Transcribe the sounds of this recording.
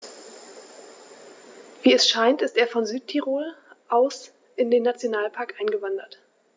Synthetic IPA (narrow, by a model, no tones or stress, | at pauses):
viːɛsʃaɪntɪsteːɐfɔnzyːt̚tʰiʁoːlʔaʊs | ʔɪndeːnːat͡sjonaːlpʰaɐkʔaɪnɡəvandɐt